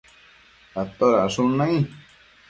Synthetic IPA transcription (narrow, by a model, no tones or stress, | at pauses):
at̪oɾaʂunãĩ